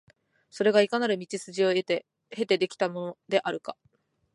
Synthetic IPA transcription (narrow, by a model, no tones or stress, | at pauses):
so̞ɾe̞ɡaikanaɾɯ̟mʲit͡ɕisɨʑio̞e̞t̪e | he̞t̪e̞d̪e̞kʲi̥t̪amo̞nod̪e̞ʔaɾɯ̟ka